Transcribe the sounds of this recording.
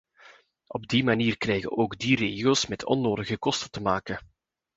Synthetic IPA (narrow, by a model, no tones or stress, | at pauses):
ʔɔb̚dimaniːrkrɛjɣə̰ʔoːɡdireːɣiəlˠsmɛtʰɔ̰nːoːdəɣəkɔstətəmaːkə